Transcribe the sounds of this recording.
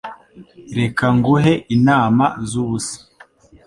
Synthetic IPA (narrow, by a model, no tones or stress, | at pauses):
ɾe̞kaŋɡuɦeʔinaːmazuβusi̥